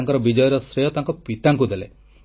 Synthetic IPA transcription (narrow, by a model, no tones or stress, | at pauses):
ŋkɔɾɔbid͡ʒɔjɔɾɔsɾejɔt̪aŋkɔpit̪aŋkud̪ele